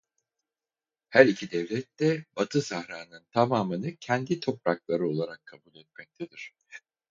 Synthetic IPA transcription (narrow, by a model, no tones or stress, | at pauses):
hæɾicʰid̪ɛvlʲɛt̪ːɛbat̪ʰɯsahɾaːnɯnt̪ʰamaːmɯnɯcʰɛnd̪it̪ʰo̞pɾaklˠaɾɯo̞lˠaɾakʰːabulʲˠɛt̪̚mɛc̚t̪ʰɛd̪iɾ̥